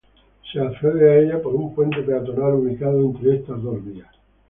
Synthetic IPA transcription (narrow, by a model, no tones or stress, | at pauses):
seafeβeaeʎapoɾumpwent̪epeat̪onaɾunikaðoent̪ɾeest̪azðozðias